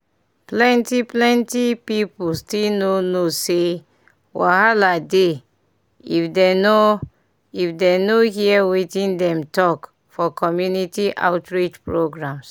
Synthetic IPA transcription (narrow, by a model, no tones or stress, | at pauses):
plɛ̃ntiplɛ̃ntipipulstilnonose | wahalade | ifdeno | ifdenohiɛwitĩndɛ̃mtɔk | fɔkʰɔmjunitiʔa̰ʊtɹid͡ʒpɹoɡɹãms